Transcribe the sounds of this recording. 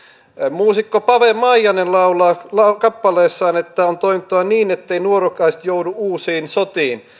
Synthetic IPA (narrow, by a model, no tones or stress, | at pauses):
muːsikːopɑʋemɑijɑnenlɑulɑːlɑkɑpːɑleːsːɑːnet̪ːæont̪oimit̪ːɑʋɑniːnet̪ːeinuorokɑist̪jouduuːsiːnsot̪iːn